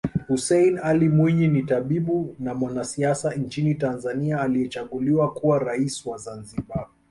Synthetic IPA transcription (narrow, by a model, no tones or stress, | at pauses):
husɛjnalimwiɲinitaɓiɓunamwanasiasaɲt͡ʃinitanzaniaːliɛt͡ʃaɠuliwakuwaɾaisiwazanziɓa